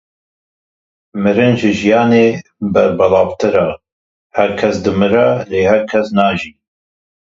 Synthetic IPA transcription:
mɨɾɨnʒɨʒijɑːneːbɛɾbɑlɑːvt̪ʰɨɾɑː | hæɾkʰɛsd̪ɨmɨɾɛleːhæɾkʰɛsnɑːʒiː

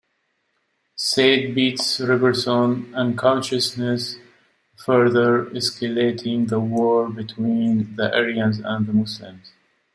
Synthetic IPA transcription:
seːt̚bitsɹɪvəɹsõnə̃nkʰãʊ̃nʃəsnɛs | fɜɹðəɹɛskəletʰɪ̃ŋðəwɔːɹbɪt̪ʰwĩːnðəʔɛɹiə̃nzæ̰̃nðəmʊslɪ̰̃mz̥

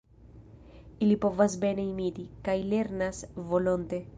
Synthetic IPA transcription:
ilipovazbeneimid̪ikajleɾnasvolont̪e

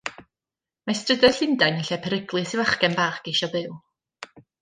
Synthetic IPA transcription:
majstrədɔɬɪndajnəɬɛpʰɛɾɪɡlˠɨsɪvaχkɛnbarkiʃɔbɨlˠ

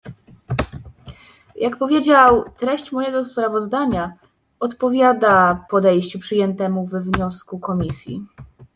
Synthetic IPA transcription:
jʔakpɔvʲjed͡ʑawt̪ɾɛɕt͡ɕmɔjɛɡɔspɾavɔzd̪aɲa | ɔt̪pɔvʲjad̪apɔd̪ɛjɕt͡ɕupʂɘjɛnt̪ɛmuvɛvɲɔskukɔmʲisʲjḭ

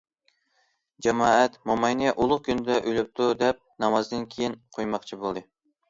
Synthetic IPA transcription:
d͡ʒɛmɑːɛt̪momɑjniɛʔulˠʊχ̚kʲʰynɪd̪ɛʔølyp̚t̪ʰud̪ɛp̚nɑmɑzd̪ɨnkʲʰejinqʰojmɑqt͡ʃʰibolˠd̪ɨ

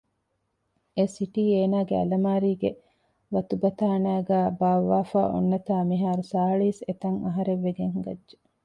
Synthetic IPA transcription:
esiʈiːeːnaːɡeɐ̰lɐmaːɾiːɡe | ʋɐt̪ubɐt̪aːnæːɡæːbaːʋːaːfa̰ːʔo̰nːɐt̪aːmiɦaːɾusaːɦɐɭiːset̪ɐŋɐɦɐɾeʋːeɡeŋɡɐdʒe

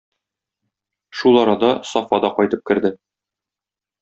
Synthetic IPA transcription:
ʃulˠɒɾɑd̪ɑsɒfɑd̪ɑqɒjt̪ɤp̚kɘ̆ɾd̪ɘ

